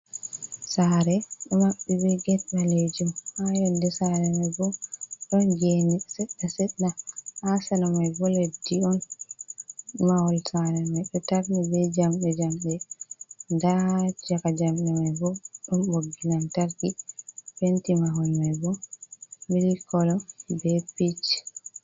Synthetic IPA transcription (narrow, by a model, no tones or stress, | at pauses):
saɾɛɗɔmaɓːɛbɛɡɛtɗaled͡ʒumhajɔndɛsaɾɛmajbɔɗɔnɡenisɛɗːasɛɗːaasanamajɡɔlediɔn | mawɔlsaɾɛmajɗɔtaɾnibɛd͡ʒamɓɛd͡ʒamɓɛ | ndad͡ʒakad͡ʒamɓɛmajbɔɗumboɡːinamtaɾkipentimaɦɔlmajbɔ | miɾikɔlɔbɛpit͡ʃ